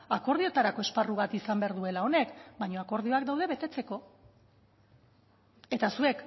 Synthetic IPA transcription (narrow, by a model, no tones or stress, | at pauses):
ako̞ɾð̞io̞t̪aɾako̞e̞sparuβat̪isambeaɾðue̞lao̞ne̞kbajɲo̞ako̞ɾðio̞akd̪awðe̞βe̞t̪e̞t͡se̞ko̞ | e̞t̪asue̞k